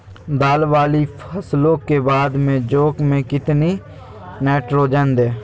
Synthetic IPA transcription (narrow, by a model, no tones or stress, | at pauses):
d̪aːlʋaːlipʰəslõkebaːd̪mẽd͡ʒoːkmẽkɪt̪ni | nɛːʈɾoːd͡ʒənd̪ɛː